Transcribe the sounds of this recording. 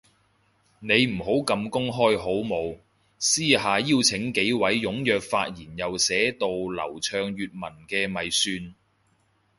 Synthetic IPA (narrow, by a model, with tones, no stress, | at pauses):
ne˨˧jm̩˨˩ɦo˨˥wkɐ˨˧mkʊ˥ŋɦɔː˥jɦo˨˥wmo˨˧w | siː˥ɦaː˨jiː˥wt͡sʰɪ˨˥ŋke˨˥jwɐ˨˥jjʊ˨˥ŋjœː˨k̚faː˧t̚jiː˨˩njɐ˨wsɛː˨˥t̪o˨wlɐ̰˨˩wt͡ʃʰœː˧ŋjyː˨t̚mɐ˨˩nkɛː˧mɐ˨jsyː˧n